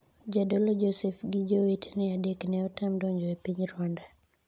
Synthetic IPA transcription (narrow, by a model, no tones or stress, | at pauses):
d͡ʒadɔlɔd͡ʒɔsɛfɡid͡ʒowetnɛadeknɛɔtamdɔɲd͡ʒɔepiɲɾwanda